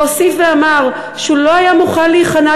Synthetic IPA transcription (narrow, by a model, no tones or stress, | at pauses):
osifveamaʁ | ʃeulo̞ajamuχanliːχana